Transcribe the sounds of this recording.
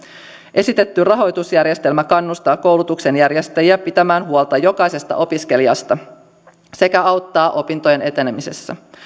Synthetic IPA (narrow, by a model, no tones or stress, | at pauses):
ʔe̞sit̪e̞t̪ːyrɑɦo̞jt̪usjærje̞st̪e̞lmækɑnːust̪ɑːko̞wlut̪ukse̞njærje̞st̪æjiæpit̪æmæːnɦuolt̪ɑjo̞kɑjse̞st̪ɑ̰ʔo̞piske̞liɑst̪ɑ | se̞kæɑwt̪ːɑːʔo̞pint̪o̞je̞ne̞t̪e̞ne̞mise̞̰sːæ̰